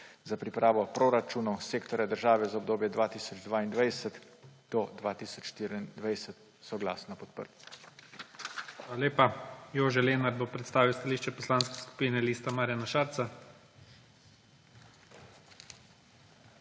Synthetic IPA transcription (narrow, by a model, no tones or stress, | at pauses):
zapɾipɾʔaːʋɔpɾoɾat͡ʃunɔwseːkt̪ɔɾjad̪əɾʒaːʋɛzaɔbd̪oːbjɛd̪ʋaːt̪iːsɔd͡ʒd̪ʋaːind̪ʋajsət̪ | d̪̥ɔd̪ʋaːt̪iːsɔt͡ʃʃt̪iɾiind̪ʋajsət̪ | sɔɡla̰ːsnɔpɔt̪̚pə̰ɾt̪i | xaːlaleːpajoːʒɛleːnaɾb̪opɾɛt̪st̪aːʋiwst̪aliːʃt͡ʃɛpɔslaːnskɛ̥sku̥piːnɛliːst̪amaːɾjanaʃaːɾt̪sa